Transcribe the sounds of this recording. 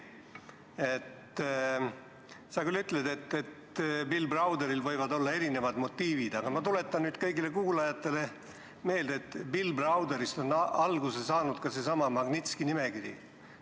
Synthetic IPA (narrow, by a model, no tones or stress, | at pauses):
et̪ | sɑkylːyt̪ˑled̪̥e̞t̪ːet̪pilbrɑwd̪eɾilvɤjvɑd̪o̞lːɑe̞ɾine̞vɑd̪mo̞t̪ːiːvid̪̥ɑɡ̥ɑmɑt̪ule̞t̪ːˑɑnnyːd̪̥kɤjɡile̞kuːlɑjɑt̪ːˑe̞le̞ | me̞ːld̪et̪ːˑpilbrɑwd̪eɾist̪o̞nɑlɡusesɑːnud̪̥kɑse̞sɑmɑmɑɡnit̪skinimeɡiɾḭ